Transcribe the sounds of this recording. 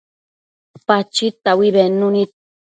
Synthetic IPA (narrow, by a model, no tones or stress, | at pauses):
pat͡ʃit̪awiβenʊnit̪